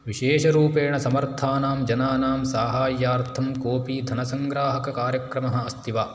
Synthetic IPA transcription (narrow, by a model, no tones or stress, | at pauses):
ʋiʃeːʃɐɾuːpeːɳɐsɐmɐɾt̪ʰaːnaːmd͡ʒɐnaːnaːmsaːɦaːjːaːɾt̪ʰɐmkoːpiːd̪ʱɐnɐsɐŋɡɾaːɦɐkɐkaːɾjɐkɾɐmɐɦɐ̆ɐst̪ʰiʋaː